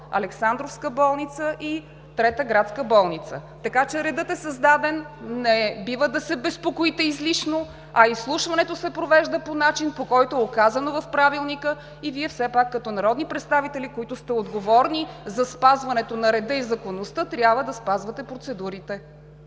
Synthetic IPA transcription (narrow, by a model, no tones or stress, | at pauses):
ɐ̰lɛksand̪ɾofskəbɔlˠnit̪səʔi | t̪ɾɛt̪əɡɾat̪skəbɔlˠnit̪sət̪ɐkat͡ʃɛɾɛd̪ɤt̪ɛsɐzd̪ad̪ɛnːɛbivəd̪ɐsɛbɛspokoit̪ɛizliʃno | ɐislˠuʃvɐnɛt̪osɛpɾovɛʒd̪əponat͡ʃinpokɔjt̪oɛokazɐnovɐfpɾavilˠnikə | iviɛfsɛpakːɐt̪ɔnɐɾɔd̪nipɾɛt̪st̪avit̪ɛlikoit̪ʊst̪ɛod̪ɡovɔɾnizɐspazvɐnɛt̪onɐɾɛd̪əizɐkonost̪ət̪ɾʲjabvəd̪ɐspazvət̪ɛpɾot̪sɛd̪uɾit̪ɛ